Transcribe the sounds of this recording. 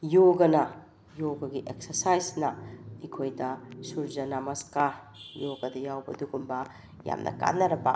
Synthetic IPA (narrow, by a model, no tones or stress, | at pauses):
joɡɐnɐ | joɡɐɡiʔek̚sɐɾsajsnɐikʰojdɐsuɾzɐnamɐska | joɡɐdɐjawbɐduɡumbɐ | ja̰mnʔɐ̰ka̰nːɐɾɐbɐ